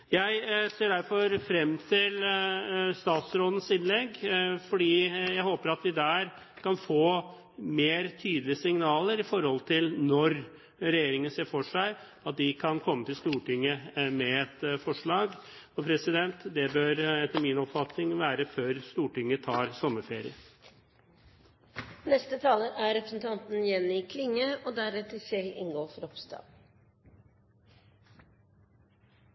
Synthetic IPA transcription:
jæɪseːɖæɾfɔɾfɾɛmːt̪ʰɪl | st̪ɑːt̪sɾoːd̪ən̩sɪnlɛɡfɔɖiːjæɪhoːpəɾɑt̪ʋɪd̪æːɾ | kʰɑnfoː | meːɾt̪ʰyːd̪əlɪəsɪŋnɑːləɾɪfɔɾhɔlt̪ʰɪlnɔɾ | ɾɛjeːɾɪŋənseːfɔʂæɪ | ɑt̪̚d̪ɪkʰɑnkʰɔmːət̪ɪlst̪uːʈɪŋːəmɛɛt̪fɔʂɭɑːɡ | ɔpʰɾɛsɪd̪ɛnt̪d̪ɛbøɾɛt̪ːəmiːnɔpfɑt̪nɪŋʋæːɾəføːɾst̪uːʈɪŋːət̪ʰɑːɾsɔmːəfeːɾɪ̰ə | nɛst̪ət̪ʰɑːləʔæɾɛpɾə̥sn̩t̪ʰɑnt̪n̩jɛnːɪkʰlɪŋːəoːd̪æɾmeːt̪ʰɪlsɛɪʔɪ̰ŋɡoːfɾɔpsd̪ɑ̰ː

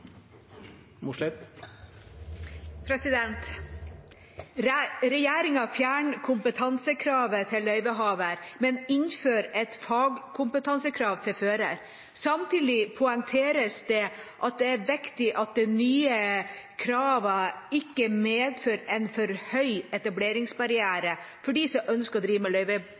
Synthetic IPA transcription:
muʂlɪt̪ | pʰɾɛsɪd̪ɛnt̪ | ɾɛjeːɾɪŋɑfjæːɳkʰʊmpət̪ʰɑnsəkʰɾɑːʋət̪ʰɪlːœʏbəɦɑːʋəɾmɛnɪnføːɾɛt̪fɑːɡkʰʊmpət̪ʰɑnsəkʰɾɑːʋt̪ʰɪlføːɾə̰ɾ | sɑmt̪ʰiːd̪ɪpʰʊɛŋt̪ʰeːɾəsd̪ɛʔɑt̪̚d̪ɛæɾʋɪkt̪ɪʔɑt̪̚d̪ɛnyːəkʰɾɑːʋɑɪkːəmeːd̪føːɾɛnfɔɾhœʏɛt̪ɑbleːɾɪŋsbɑɾɪæːɾə | fɔɖiːsɔʔœnskəɾɔd̪ɾiːʋəmɛlœʏʋə

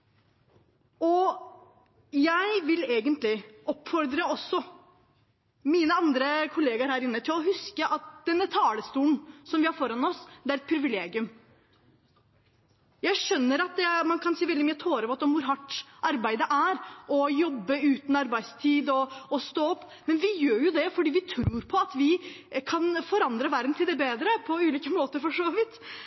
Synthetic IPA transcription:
ɔ | jæɪʋɪleːɡənt̪lɪʔɔpːfɔɾd̪ɾəɔsːɔ | miːnəɑnd̪ɾəkʰʊleːɡəɾhæːɾɪnːət̪ʰɪlɔɦʉskəʔɑt̪̚d̪̥ɛnːət̪ʰɑːləst̪uːn̩sɔmʋɪhɑɾfɔɾɑnɔsd̪æɾɛt̪pʰɾɪʋɪleːɡɪʉm | jæɪʂœnːəɾɑt̪̚d̪ɛmɑnkʰɑnsiːʋɛld̪ɪmyːət̪ʰoːɾəʋɔt̪ːɔmʋʊɾɦɑʈːʔɑɾbæɪd̪əʔæɾɔjɔbːəʉːt̪n̩ɑɾbæɪst̪ʰiːd̪ɔɔst̪oːɔpː | mɛnʋɪjøːɾjʊd̪ɛfɔɖiːʋɪt̪ʰɾuːɾpʰɔɑt̪ʋɪ | kʰɑnfɔɾɑnd̪ɾəʋæɾd̪n̩t̪ʰɪld̪ɛbeːd̪ɾəpʰɔʉːliːkəmoːt̪əɾfɔʂoːʋʋɪt̪

